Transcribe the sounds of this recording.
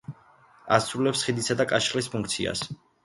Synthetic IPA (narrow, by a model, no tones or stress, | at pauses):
asɾulɛpsχid̪isad̪akʼaʃχlispʰuŋk̚ʰt̪sʰḭa̰s